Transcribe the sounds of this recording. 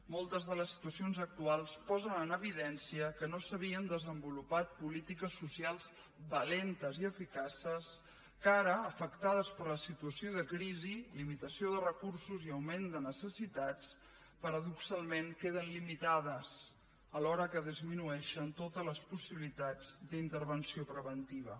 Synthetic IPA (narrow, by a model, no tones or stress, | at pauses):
molˠt̪əzðələsːi̥t̪uəsionzək̚t̪ualˠspɔzənənəβ̞iðɛnsiəkənosəβiənd̪əzəmbulupat̪̚pulit̪ikəsːusialˠz̥ | bəlent̪əziəfikasəs | kaɾəːfəkt̪að̞əspəɾləsit̪uəsioðəkɾizilimit̪əsioðərəkuɾsuziəwmend̪ənəsəsit̪at͡s | pəɾəðuksalˠmeŋkeð̞ənlimit̪aðəs | əlɔɾəkəðizminuɛʃənt̪ot̪ələspusiβilit̪ad͡zd̪int̪əɾβənsiopɾəβənt̪iβ̞ə